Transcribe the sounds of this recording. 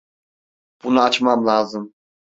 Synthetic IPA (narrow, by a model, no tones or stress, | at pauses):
b̥unaːt͡ʃmamlˠaːzɯm